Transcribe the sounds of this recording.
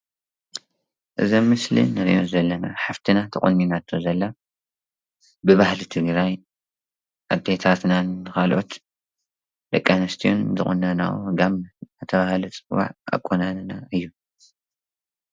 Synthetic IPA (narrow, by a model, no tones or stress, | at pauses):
ʔɨzomːɨslḭnːɐɾjozɐlːɐnaħaft̪ʰinat̪ʰɐχʼɨnːinat̪ʰːozɐlːa | bɨβahlit̪ʰɨɡɾaj | ʔad̪et̪ʰat̪nanːɨkʰalʔot̪ | d̪̥ɐkʼːanɐst̪ʰijo̰nzɨχʼɨ̰nɐna̰ʔṵɡamat̪ʰɐβahlɨt͡sʼɨwa̰ʕa̰kʼonannaɨjːu